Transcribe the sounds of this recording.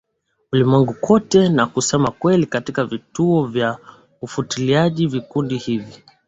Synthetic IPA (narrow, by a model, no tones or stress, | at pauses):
ulimwɛŋɡukɔtɛnakusɛmakwɛlikatikavituɔvja | ufutiliaʄivikundihivi